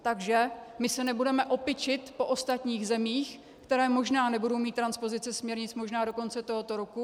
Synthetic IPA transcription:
t̪aɡʒɛmɪsɛnɛbudɛmɛʔo̞pɪt͡ʃɪt̪po̞ʔost̪at̪ɲiːɣzɛmiːx | kt̪ɛɾɛːmo̞ʒnaːnɛbudo̞wmiːt̪ːɾanspo̞zɪt͡sɛsmɲɛɾɲɪt͡smoʒnaːdo̞ko̞nt͡sɛt̪oɦo̞t̪oɾoku

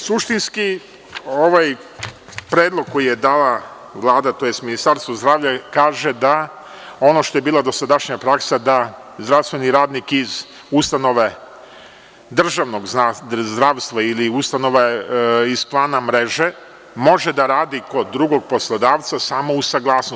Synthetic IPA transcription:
suʃt̪inski | o̞ʋaj | pɾeːd̪lˠoɡ̚kːo̞jijed̪aːla | ʋlˠaːd̪at̪o̞jest̪minist̪aɾst̪ʋuzd̪ɾaːʋʎʲakaːʒe̞d̪a | o̞no̞ʃt̪ojebiːlˠad̪o̞sad̪aʃɲapɾaksad̪a | zd̪ɾaʋst̪ʋe̞niɾaːd̪nikiz | ust̪ano̞ʋe | d̪r̩ʒaʋno̞ɡzd̪ɾaːʋst̪ʋailiust̪ano̞ʋaiz̥plˠaːnamɾe̞ʒe̞ | mo̞ʒe̞d̪aɾaːd̪iko̞d̪ːɾuɡo̞ɡ̚po̞slˠad̪aːʋt̪sasaːmo̞usaɡlˠaːsno

